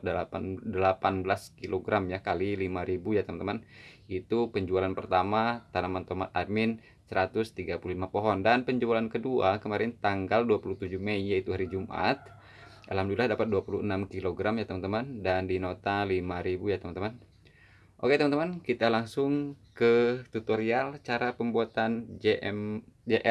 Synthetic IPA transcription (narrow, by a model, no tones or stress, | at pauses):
dəladəlapanbəlaskiloɡɾamjakalilimaɾibujat̪əmant̪əmanit̪upəɲd͡ʒualanpərt̪amat̪anamant̪omat̪̚amɪn | səɾat̪ʊst̪iɡapuluhlimapoɦɔndanpəɲd͡ʒualankəduakəmaɾɛnt̪aŋɡalduapuluht̪ud͡ʒuhməijait̪uɦaɾid͡ʒumʔa̰t̪̚ | ʔalhamduilahdapat̪̚duapuluənamkiloɡɾamjat̪əmant̪əmandandinot̪alimaɾibujat̪əmant̪əman | ʔoket̪əmant̪əmankit̪alaŋsʊŋkət̪ut̪oɾialt͡ʃaɾapəmbuat̪and͡ʒ | d͡ʒeʔ